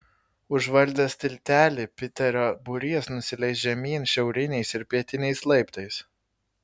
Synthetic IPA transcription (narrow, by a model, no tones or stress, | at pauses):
ʊʒʋɐlʲd̪ʲɛsʲt̪ʲɪlʲt̪ʲæːlʲɪpʲɪt̪ʲɛɾʲobʊɾʲiɛsnʊsʲɪlʲɛɪsʲʒʲɛmʲiːnʃʲɛʊɾʲɪnʲɛɪsɪɾpʲiɛt̪ʲɪnʲɛɪslˠɐɪpt̪ɐɪs